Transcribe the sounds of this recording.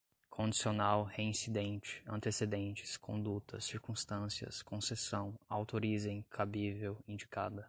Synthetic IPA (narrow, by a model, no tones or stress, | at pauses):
kʰõd͡ʒisionawheĩsid̪ẽnt͡ʃɪ̥ɐ̰̃nt̪esed̪ẽnt͡ʃɪ̥skʰõ̰d̪ut̪ɐsiɾkũst̪ɐ̃siɐ̰skʰõsesɐ̃w̃awt̪oɾizẽj̃kʰabivewĩd͡ʒika̰d̪ɐ